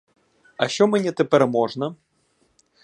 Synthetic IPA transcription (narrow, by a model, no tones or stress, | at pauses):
ɐʃɔmʲɛnʲɛt̪ɛpɛɾɛmɔʐnɐ